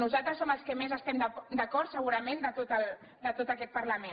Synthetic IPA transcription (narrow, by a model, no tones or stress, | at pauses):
nuzalˠt̪ɾəsːoməlˠskəmezəst̪ɛmd̪əd̪əkɔɾt̪səɣ̞uɾəmend̪ət̪ot̪əlˠ | d̪ət̪ot̪əkɛt̪̚pəɾləmen